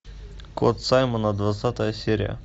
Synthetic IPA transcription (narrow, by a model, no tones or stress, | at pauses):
kot̪sajmənəd̪vɐt̪sat̪əjəsʲeɾʲɪ̰jə̰